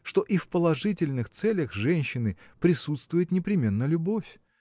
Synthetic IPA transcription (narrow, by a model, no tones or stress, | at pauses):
ʂt̪o̞ʔifpəlˠɐʐɨtʲɪlʲnɨxt̪sɛlʲəxʐɛnʲɕːɪnɨpɾʲɪsut̪st̪vʊjɪt̪nʲɪpɾʲɪmʲe̞nːəlʲʊbofʲ